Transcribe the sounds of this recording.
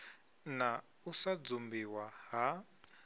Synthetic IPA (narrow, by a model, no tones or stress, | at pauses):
na | usad͡zumbiwaɦa